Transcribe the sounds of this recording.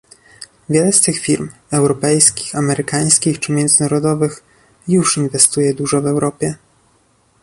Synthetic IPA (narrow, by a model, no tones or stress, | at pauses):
vʲjɛlɛst̪ɘxfʲiɾm | ɛwɾɔpɛjskʲi̥xamɛɾɘkaj̃skʲixt͡ʂɘmʲjɛnd̪zɘnaɾɔd̪ɔvɘx | juʂinvɛst̪ujɛd̪uʐɔvɛwɾɔpʲjɛ